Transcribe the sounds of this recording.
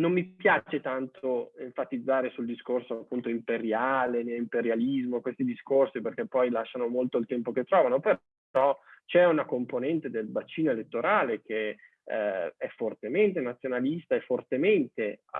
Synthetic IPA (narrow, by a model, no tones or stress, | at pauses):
nomːipjaːt͡ʃet̪ant̪ʰoeɱfat̪id̪zːaːɾesuld̪iskorsoaapːunt̪oimpeɾjaːlenelːimpeɾjalizmokwest̪id̪iskorsiperk̟epːɔjlaʃːanomolt̪oilt̪ɛmpoket̪ːɾɔːvanope | ɔt͡ʃɛunakomponɛnt̪ed̪elbat͡ʃiːnoelet̪ːoɾaːlek̟e | ɛfːort̪ement̪enat̪sjonalist̪aefort̪ement̪ḛ